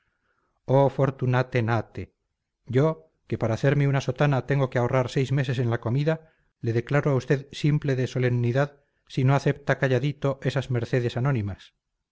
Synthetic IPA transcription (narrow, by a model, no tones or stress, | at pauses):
ofo̞ɾt̪unat̪e̞nat̪e | ɟ͡ʝo̞ | ke̞paɾaːθe̞ɾmeunaso̞t̪anat̪eŋɡo̞keaorʔaɾsejzme̞se̞sẽ̞nlako̞miða | le̞ðe̞klaɾoaust̪e̞ðsimple̞ðeso̞le̞mniðað | sino̞aθe̞p̚t̪akaʝaðit̪o̞ʔe̞sazme̞ɾθe̞ð̞e̞sano̞nimas